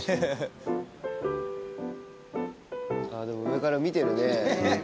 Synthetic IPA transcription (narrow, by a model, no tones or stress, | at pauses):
aːd̪e̞mo̞ɯɾekaɾamʲit̪e̞ɾɯ̟ne̞